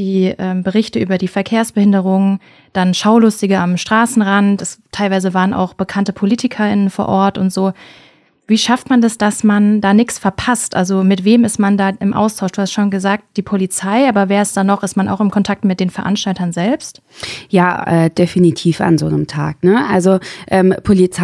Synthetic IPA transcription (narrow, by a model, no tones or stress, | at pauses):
d̥iːʔɛːmbəʁ̞ɪçtəʔyːbɐdiːfɛɐkʰeːɐsb̥əhɪndəʁ̞ʊŋ | d̥anʃaʊlʊstɪɡɐamʃtʁ̥aːsn̩ʁantɛstʰaɪlvaɪzəvaːʁənʔa̰ʊxb̥əkʰantəpʰoliːtɪkʰɐɪnənfoːɐʔɔɐtʊntz̥oː | viːʃaftmandasd̥asmandaːnɪçt͡sfɛɐpʰastʔalzomɪtv̥eːmɪstmandaːʔɪmʔa̰ʊstʰaʊʃd̥uːhastʃoːnɡəzaːk̚t̚d̥iːpʰolit͡saɪʔaːbɐveːɐɛsd̥anːɔχɪstmanʔa̰ʊxɪmkʰɔntʰak̚tmɪt̚d̥eːnfɛɐʔa̰nʃtaltɐnzɛlpst | jaːʔɛ̰ːd̥efinitʰiːfa̰nzo̰ːnəmtʰa̰ːknəʔalzoʔɛːmpʰolit͡s